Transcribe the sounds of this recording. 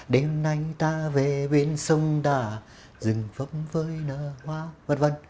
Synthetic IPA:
ɗe˧mna˧jt̪aː˧ve˨˩ɓi˧˩ənsə˧wŋ͡mt̪aː˧˩ | zɨ˨˩ŋfə˧˦˥mvəː˨˦jnəː˧˨˩hwaː˧və̰˨˩nvə˧˨n

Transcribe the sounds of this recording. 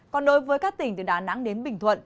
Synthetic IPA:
kɔ˨˩nɗo˨˦jvəː˨˦jkaː˦˥k̚t̪ï˧˩ŋ̟t̪ɨ˨˩ɗaː˨˩na̰˧˥ŋɗe˨˦nɓï˧˩ŋ̟t̪ʰwə̰˧˨n

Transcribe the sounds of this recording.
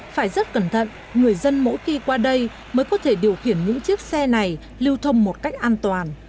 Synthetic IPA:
faː˧˩jzə˦˥t̚kə˧˩nt̪ʰə̰˧˨n | ŋɨ˨˩əjzə˧nmo̰˧˥jxi˧kwaː˧ɗə˧j | məː˨˦jkɔ˨˦t̪ʰe˧˩ɗi˨˩əwxi˧˩ənɲɨ̰˧˥ŋt͡ɕi˦˥ək̚sɛ˧na˨˩j | li˧əwt̪ʰə˧wŋ͡mmo˨˩t̚ka˦˥jk̟̚ʔaː˧nt̪waː˨˩n

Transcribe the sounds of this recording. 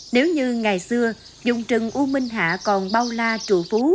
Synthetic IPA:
ne˨˦wɲɨ˧ŋa˨˩jsɨ˧ə | zʊ̰˧˨ŋ͡mt͡ɕɨ˨˩ŋʔu˧mï˧ŋ̟ɦa̰ː˧˨kɔ˨˩nɓa˧wlaː˧t͡ɕu˧˩fu˨˦

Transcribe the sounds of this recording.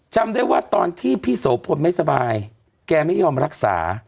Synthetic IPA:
t͡ɕʰa˧mdaː˥˩jwaː˥˩t̪ɔː˧nt̪ʰiː˥˩pʰiː˥˩soː˩˦pʰo˧nma˥˩jsa˧baː˧j | kɛː˧ma˥˩jːɔː˧mɾa˦˥k̚sa̰ː˩˦

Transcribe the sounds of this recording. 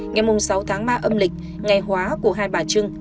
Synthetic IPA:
ŋa˨˩jmʊ˨˩ŋ͡msa˨˦wt̪ʰaː˨˦ŋɓaː˧ʔə˧mlï˨˩k̟̚ | ŋa˨˩jɦwaː˨˦ku˧˩əɦaː˧jɓaː˨˩t͡ɕɨ˧əŋ

